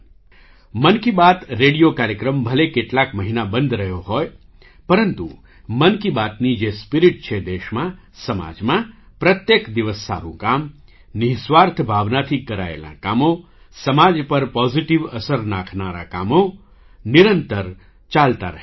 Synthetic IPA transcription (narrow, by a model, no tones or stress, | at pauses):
mənkibat̪ɾeɽijokaɾjəkɾəmbʱəlekeʈlakməɦinabənd̪ʱɾəɦjoɦɔj | pəɾənt̪ṵ | mənkibat̪nid͡ʒespiɾiʈt͡ʃʰed̪eʃmã | səma̰d͡ʒmã | pɾət̪jekd̪iʋəsːa̰ɾṵ̃kam | niɦsʋaɾt̪ʰbʱaʋnat̪ʰikːəɾa̰ḛlã̰kamo | səmad͡ʒpəɾpɔziʈiʋəsəɾnãkʰnaɾa̰kamo | niɾənt̪əɾ | t͡ʃalt̪aɾəɦ